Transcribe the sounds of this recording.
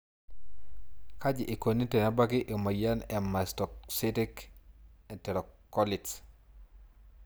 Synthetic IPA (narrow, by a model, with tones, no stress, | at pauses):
ka˦d͡ʒɪ˨ʔi˨ko˨ni˦te˨na˦ba˦kɪ˦ʔɪ˨ma˨ja˦nɛ˨ma˨stɔ˨ksi˦ti˦k | ɛ˨tɛ˨ɾɔ˨kːɔ˦lɪ˨ts